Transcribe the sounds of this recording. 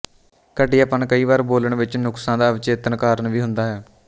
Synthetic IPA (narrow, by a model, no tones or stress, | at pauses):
kəʈiːaːpənkəiːʋaːɾboːləɳʋɪt͡ʃnʊksãːd̪aːʋɪt͡ʃeːt̪ənkaːɾənʋiːɦʊnd̪aːɦɛː